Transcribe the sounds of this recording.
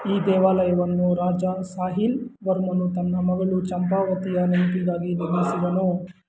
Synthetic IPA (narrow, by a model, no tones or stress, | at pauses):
iːd̪ɛːʋaːlɐjɐʋɐnːuɾaːd͡ʒɐsaːɦilʋɐɾmɐnut̪ɐnːɐmɐɡɐɭut͡ʃɐmpaːʋɐt̪ijɐnɐmpiɡaːɡiniɾmisiʋɐnoː